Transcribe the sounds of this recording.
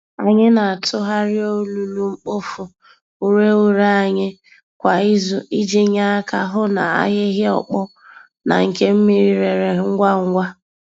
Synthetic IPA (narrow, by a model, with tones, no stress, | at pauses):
a˨ɲɪ˦na˨a˨tʰʊ˦ɦa˦ɾɪ˦o˦lu˨lu˦ŋ͡m̩˦k͡po˦fʊ˨ | u˦ɾe˦u˦ɾa˦a˨ɲɪ˦ | kʷa˨i˦zʊ˨i˦d͡ʒi˦ɲa˦a˦ka˦ɦʊ˦na˨a̰˦ɦɪ˦ɦɪ˦ɔ̰˨k͡pɔ˦ | na̰˨ŋ̩˨ke˦m̩˦mi˦ɾi˦ɾe˨ɾe˨˦ŋ̩˦ɡʷa˦ŋ̩˦ɡʷa˦